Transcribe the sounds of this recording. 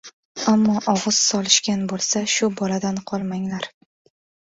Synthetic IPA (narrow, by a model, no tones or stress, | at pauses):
amːɒʔɒʁɨz̥sɒlˠɪʃkʲanbolˠsaʃʊbɒlad̪anqʰɒlˠmaŋlaɾ